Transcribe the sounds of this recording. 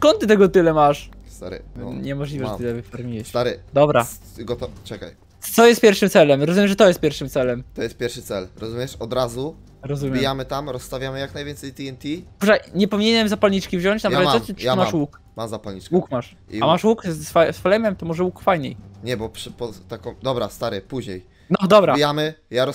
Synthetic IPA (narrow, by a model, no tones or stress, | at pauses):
skɔnt̪t̪ːɘt̪ɛɡɔt̪ɘlɛmaʂst̪a̰ɾɨ̰ɲɛmɔʐlʲivɛɛt̪ɨt̪ɛvɨfaɾmʲiwɛsɕt̪aɾɘd̪ɔbɾa̰ | ɡɔt̪ɔt͡ʂɛka̰j | t̪sɔjɛst̪pʲɛɾfʂɨmt̪sɛlɛmɾɔzumʲjɛmʐɛt̪ɔjɛst̪pʲjɛɾfʂɘmt̪sɛlɛmt̪ɔjɛst̪̚pʲɛɾfʂɘt̪sɛlɾɔzumʲjɛʂɔd̪ɾazu | ɾɔzumʲjɛimjamɘt̪amɾɔsːt̪avʲjamɘjaknajvʲɛnsɛjt̪iɛnt̪ʲipuʐajɲɛpɔviɲeɲɛmzapalɲit͡ʂkʲivʑɔɲt͡ɕnaɾaɛmamaʂwuk | mamzapalɲit͡ʂkwukmaʂ | iamaʂwuksfasflɛjmɛmt̪ɔmɔʐɛwukfajɲḛjɲɛbɔpʂpɔt̪akɔ̃md̪ɔbɾast̪aɾɛpuʑɲej | nɔd̪ɔbɾaijamɘjaɾɔ